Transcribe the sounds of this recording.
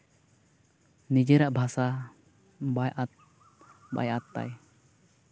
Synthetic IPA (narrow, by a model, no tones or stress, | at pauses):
nid͡ʒəɾaʔbʱasa | bajʔat̪̚ | ba̰jat̪ːa̰j